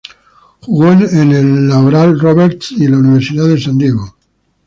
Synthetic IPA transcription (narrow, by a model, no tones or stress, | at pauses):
xuɣonenelːawɾalroβeɾt̪silauniβ̞e̞ɾsiðaðe̞sãnd̪jeɣo